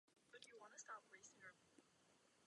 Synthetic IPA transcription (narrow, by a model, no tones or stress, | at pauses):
b̥ʌtjɨwɑ̃nɨstɑpɹeɪsɪ̃ŋə˞